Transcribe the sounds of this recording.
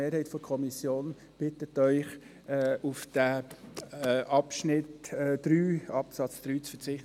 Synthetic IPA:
eːɾhaɪtfɔkʰɔmisjoːn | b̥ɪtətœʏχː | ufd̥æ | ʔɑpʃnɪtɛd̥ɾyːɑpsɑt͡sd̥ɾyːt͡sfət͡sɪχ

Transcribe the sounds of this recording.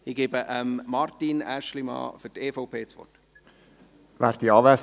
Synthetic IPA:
iɡ̥ebəʔəmmɑrtinæʃlimɑ̰ːfyteːfoʊpʰeːt͡sʋɔ̰rt | væːɾtiɑːvæs

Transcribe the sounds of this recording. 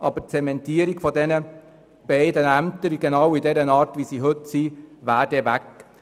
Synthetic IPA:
ʔɑ̰bəɾt͡sɛmɛntiːəɾiɡfɔdɛnə | b̥ɛɪdənæmt̪əɾɡ̥ɛnɑwidɛɾənɑːɾtʋisiːɦɵtsiːvæːɾdɛvæk

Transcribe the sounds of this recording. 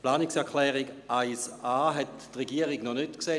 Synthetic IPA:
plaːniksɛɐkʰlɛːʁiɡʔaɪsaːɦɛttʁeɡiəʁiɡnɔnytkseː

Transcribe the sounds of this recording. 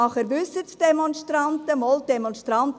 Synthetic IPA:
ɑχəɾbʏsətd̥emɔnʃtɾɑntəmɔlt̚dɛmɔnstɾɑnt̪

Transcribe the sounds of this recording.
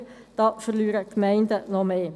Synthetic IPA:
d̥ɑːfəʁlyːɾəkmæɪndənɔmeː

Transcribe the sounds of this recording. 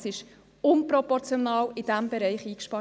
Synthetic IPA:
sɪʃ | ʊnpɾɔpɔɾt͡sjonɑːlɪd̥æmbɛɾɛɪχiːkʃpɑ

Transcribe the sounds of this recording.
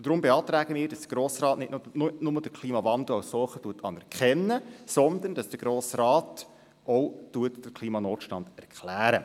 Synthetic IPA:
d̥ɾʊmbeɑːt̪ɾæːɡəmiːɾdɑsd̥əɡ̥ɾoːsrɑːtnɪtnʊnʊməd̥əkʰliːmɑvɑnd̪l̩awssɔːχətuːətʰɑnɛɾkχɛnːəsɔnd̪ənd̥ɑsd̥əɡ̥ɾoːsrɑːt | ɔwtuətd̥əɾkʰliːmɑnoːtʃtɑnd̥̪æɾkχlæːɾə̰

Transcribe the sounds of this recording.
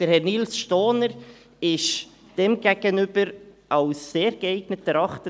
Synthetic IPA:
d̥əɾhɛrnilsʃtoːnəɾ | ɪʃ | d̥ɛmɡɛɡ̥ənʏb̥əɾʔɑwsːeːɾɡəɛɪɡnətːəɾɑχtə

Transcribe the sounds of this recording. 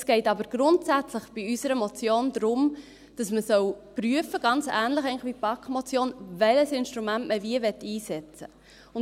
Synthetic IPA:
sɡ̥ɛɪtɑbəɾɡ̥ɾʊntsæt͡sləχb̥iysəɾəmot͡sjoːnd̥̪ɾʊm | d̥ɑsməsœwpryəfəɡ̥ɑnt͡sæːnləχɛɪŋlɪəχʋipɑkχmɔt͡sjoːnvɛləsɪnʃtɾumæntməviəvɛtːiːsɛt͡sə | ʊn

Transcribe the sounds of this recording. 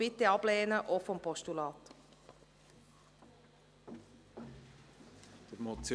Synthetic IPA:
ɪteɑbleːnəʔɔfɔmpʰɔstulɑːt | d̥əmot͡sj

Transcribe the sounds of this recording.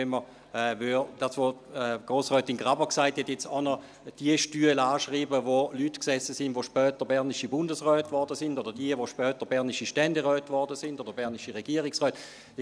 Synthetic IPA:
ɛmə | ɛvyd̥aːsvoɛɡ̥ʁoːsʁœːtinɡʁabəksaɪthɛtjɛt͡sanɔ | d̥iəʃtyːəlaːʃʁiːbəvolytksɛsəsɪndvoʃpœːtəbɛɐniʃibʊndəsʁœːtvɔʁdəsɪndodəd̥iəvoʃpœːtəbɛɐniʃiʃtɛndeʁœːtvɔʁdəsɪndodɐbɛɐniʃiʁɛɡiːʁiksʁœːt

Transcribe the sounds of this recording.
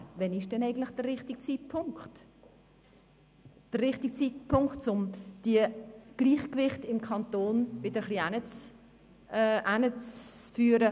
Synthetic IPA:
vɛnɪʃd̥ɛnɛɪɡən̩tlɪχd̥ərːɪχtɪɡ̚t͡sit̚pʰʊŋkt | d̥ərʁɪχtik̚t͡sitpʰʊŋkχtt͡sʊmd̥iəɡ̥liːχkvɪχtɪmkʰɑnt̪oːnvɪdəɾəχlianət͡sː | ʔænət͡sfyːəɾə

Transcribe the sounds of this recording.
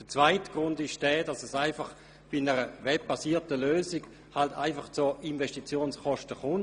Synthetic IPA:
d̥ət͡sv̥aɪtɡ̥ʁʊndɪʃd̥ɛːd̥ɑsɛsaɪfɑχ | b̥inɛʁəvɛb̚b̥asiːɐtəløːsiɡ | haltʰa̰ɪfɑχt͡soinvɛʃtit͡sjoːnsχɔʃtəχʊn

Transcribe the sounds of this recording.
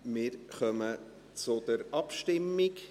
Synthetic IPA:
mɪːɾχœmə | t͡sʊd̪̥əɾɑpʃtɪmːɪk

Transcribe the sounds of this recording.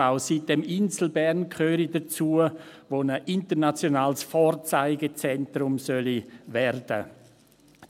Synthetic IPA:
aʊsit̚d̥ɛmɪnsl̩bɛɾnkʰχøːɾidɐt͡suəʋonəʔɪntəɾnat͡sjonaːlsfɔːɾt͡saɪɡət͡sɛntɾʊmsœlivɛrd̥ə̰

